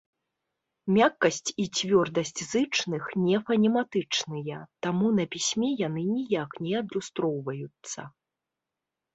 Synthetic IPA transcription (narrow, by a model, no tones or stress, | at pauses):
mʲakːɐsʲt͡sʲit͡sʲvʲɔrd̪ɐsʲt͡sʲzɨt͡ʂnɨxnʲɛfɐnʲɛmat̪ɨt͡ʂnɨjɐt̪amunɐpʲisʲmʲɛjanɨnʲijaknʲɛɐd̪lʲust̪ɾɔwvɐjut̪sːɐ̰